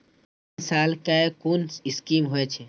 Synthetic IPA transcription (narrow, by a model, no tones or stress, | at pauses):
nsalkaekoniskimɦoɛt͡ʃʰɛ